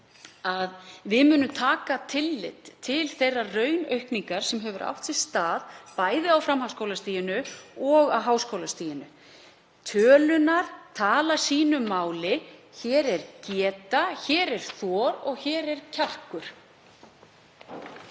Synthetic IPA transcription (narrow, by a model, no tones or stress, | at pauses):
aðvɪðmʏːnʏt̪ʰaːkat̪ʰɪlːɪ̰t̪ʰɪlθejrːarœɥnœɥhpniŋkaɾ̥sɛmɦœvʏɾʔa̰wht̪sɪ̥st̪aːðpaːjðɪawfɾamɦawskowlast̪iːjɪnʏɔɣa̰wɦaːwskowlast̪iːjɪnʏ | t̪ʰœːlʏnaɾ̥t̪ʰaːlḁsiːnʏmːaːwlɪçɛːɾɛɾcɛːt̪açɛːɾɛɾ̥θɔːɾɔɣçɛːɾɛɾcʰar̥kʏɾ̥